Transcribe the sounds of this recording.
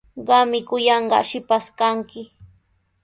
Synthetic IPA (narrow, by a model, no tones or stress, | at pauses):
ɢɑmɪkʊjɑɴɢɑ̰ʃɪpaskaŋkɪ